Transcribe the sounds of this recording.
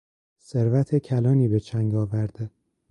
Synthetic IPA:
seɾvæt̪ʰecʰælɒːniːbe̞t͡ʃʰæŋɡɒːvæɾd̪e

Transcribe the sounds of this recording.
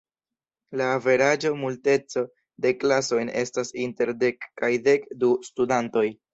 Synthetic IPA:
laːve̞ɾad͡ʒo̞multe̞t͡so̞ | de̞klaso̞jne̞̰stasinte̞ɾde̞kːajde̞kdustudanto̞j

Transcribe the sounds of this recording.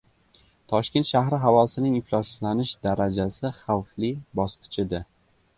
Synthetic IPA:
t̪ʰɒʃkʲe̞nt̪ʃahɾɪɦavɒlsɪnɪŋɪflɒsɪzlanɪʃd̪aɾad͡ʒasɪχawflɪbɒsqʰɨ̥t͡ʃʰɪd̪ɪ

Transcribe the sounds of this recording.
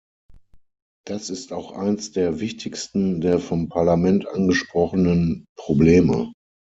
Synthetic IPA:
d̥asɪstaʊxʔa̰ɪnsd̥eːɐvɪçtʰɪçstn̩deːɐfɔmpʰaɐlamɛntʔanɡəʃpʁ̥ɔχənənpʁ̥obleːmə̰

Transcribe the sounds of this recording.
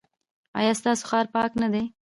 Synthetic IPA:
ɑ̰jɑst̪ɑso̥xɑɾpɑknad̪e

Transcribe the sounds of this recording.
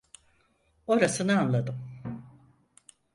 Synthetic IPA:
o̞ɾasɯnɯanlˠad̪ɯm

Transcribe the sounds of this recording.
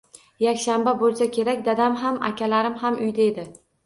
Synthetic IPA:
jakʲʃambabolˠsakʲʰe̞ɾakʲd̪ad̪amɦamʔa̰kʲʰalaɾɪmhamʊjd̪aed̪ɪ

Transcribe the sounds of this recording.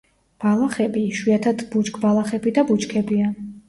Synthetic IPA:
b̥alˠaχɛbiʃwiat̪ʰad̪but͡ʃkʰʼbalˠaχɛbid̪abut͡ʃkʰɛbia

